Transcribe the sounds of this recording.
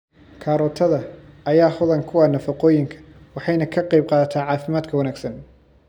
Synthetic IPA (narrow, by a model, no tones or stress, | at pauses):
kʰaːɾɔːt̪ʰɐðɐɐjaːhʊðɐŋkʰʊwɑːnɐfɐqɔːjɪŋkʰɐ̥ | wɑħɑjnɐkʰɐqɑjb̚qɑːðɐt̪ʰaːʕɑːfɪmaːd̪kʰɐwɐnaːɡsɐn